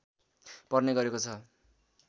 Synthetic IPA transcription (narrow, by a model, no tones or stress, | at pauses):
pʌrneɡʌɾekot͡sʰʌ